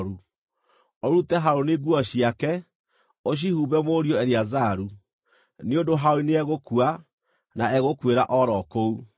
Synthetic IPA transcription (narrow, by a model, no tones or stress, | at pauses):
ɾu | oɾutɛɦaɾoneɡwɔɕiakɛ | oɕ̬ihuːβɛmoɾjɔɛɾiazaɾu | neondoɦaoineɛɣokua | naɛɣokweɾaʔɔɾɔkou